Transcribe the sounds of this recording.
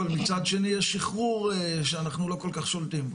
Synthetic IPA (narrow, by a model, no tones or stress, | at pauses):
almit͡sad̪ʃe̞nijeʃːiχʁuʁʃeanaχnulo̞ko̞lkaχʃolt̪imbo